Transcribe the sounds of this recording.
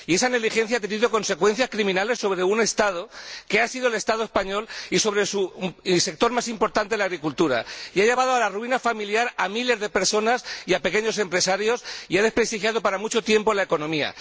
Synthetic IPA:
ie̞sane̞ɣlixe̞nθjat̪̬e̞niðoko̞nse̞kwe̞n̟θjaskɾimĩnale̞sːo̞β̞ɾe̞une̞st̪að̞oke̞asiðole̞st̪aðoe̞spaɲo̞liso̞βɾesuse̞k̚t̪o̞ɾmasimpo̞ɾt̪ant̪e̞laɣɾikult̪uɾa̰iaʝeβ̞að̞oalaruinafamiljaɾamile̞zðepe̞ɾso̞nasiape̞ke̞ɲo̞se̞mpɾe̞saɾjo̞siaðe̞spɾe̞st̪ixjað̞o̞paɾamut͡ʃo̞t̪je̞mpo̞lae̞ko̞nõ̞mia̰

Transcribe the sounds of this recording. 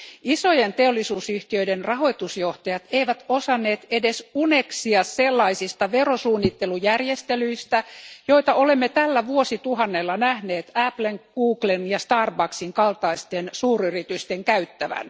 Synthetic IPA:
isojent̪eolːisuːsyht̪iøidenrɑhoit̪usjoht̪ɑjɑt̪eiʋæt̪osɑnːeːt̪edesuneksiɑsselːɑisist̪ɑʋerosuːnːit̪ːelujærjest̪elyist̪æjoit̪ɑolemːet̪ælːæʋuosit̪uɦɑnːelːɑnæhneːt̪æpleŋɡ̥uːklenjɑst̪ɑːrbɑksiŋkɑlt̪ɑist̪ensuːryrit̪yst̪eŋkæyt̪ːæʋæ̰n

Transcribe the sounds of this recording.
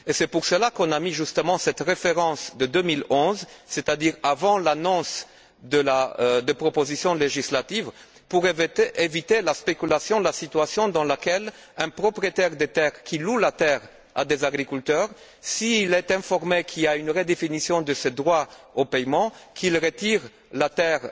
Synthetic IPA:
esɛpuʁsəlakɔ̃namiʒyst̪əmɑ̃sɛt̪ʁefeʁɑ̃sd̪əd̪ømilɔ̃zset̪ad̪iʁavɑ̃lanɔ̃s | d̪əlad̪əpχopozisjɔ̃leʒislat̪iv | puʁvevit̪elaspekʲylasjɔ̃lasit̪ɥasjɔ̃d̪ɑ̃lakɛl | ɛ̃pχɔpʁiet̪ɛʁd̪et̪ɛʁkʰilulat̪ɛʁ | a̰d̪ezaɡʁikylt̪œːʁ | siːlɛt̪ɛ̃fɔʁmekʰilaynʁed̪efinisjɔ̃d̪əsed̪ʁwaopɛjmɑ̃kʰilʁət̪iʁ | lat̪ɛʁ

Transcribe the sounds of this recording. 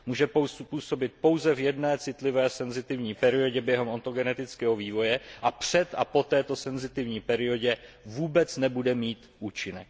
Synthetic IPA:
muːʒɛpuːso̞bɪt̪̚po̞wzɛvjɛdnɛːt͡sɪt̪lɪvɛːsɛnzɪt̪ɪvɲiːpɛɾɪo̞ɟɛbjɛɦɛmont̪o̞ɡɛnɛt̪ɪt͡skɛːɦo̞viːvo̞jɛʔapr̝̥ɛt̪ʔa̰po̞t̪ɛːt̪osɛnzɪt̪ɪvɲiːpɛɾɪo̞ɟɛvuːbɛt͡snɛbudɛmiːt̪ʔuːt͡ʃɪnɛk̚

